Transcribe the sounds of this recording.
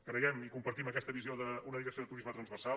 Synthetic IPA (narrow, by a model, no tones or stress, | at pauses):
kɾəɣɛmikumpəɾt̪iməkɛst̪əβizioðəunəðiɾəksoðət̪uɾizmət̪ɾənzβərsa